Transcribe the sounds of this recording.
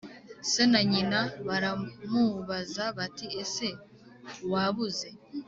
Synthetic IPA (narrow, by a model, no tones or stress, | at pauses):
senaɲinaβaɾamuβazaβatiese̞ | waβuze̞